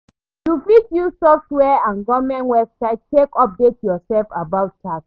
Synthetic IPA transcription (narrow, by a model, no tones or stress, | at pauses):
tufitjusɔftwɛãnɡɔmɛ̃nwɛbsaɪd̚tekɔp̚detjɔsɛlfabaʊt̚t͡ʃak